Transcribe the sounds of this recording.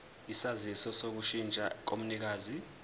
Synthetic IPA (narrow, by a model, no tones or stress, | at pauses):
isazisɔsok̬uʃint͡ʃʼak̬omunik̬aːzi